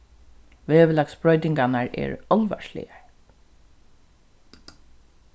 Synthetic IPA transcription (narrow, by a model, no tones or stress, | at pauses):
ʋeːʋɪlaksbɾɔjt̪ɪŋkanaɹɛ̰ɹɔlʋa̰ʃlɪ̰jaɹ